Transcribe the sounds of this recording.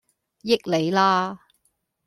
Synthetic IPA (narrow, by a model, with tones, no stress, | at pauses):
jɪ˥k̚le˨˧jlaː˥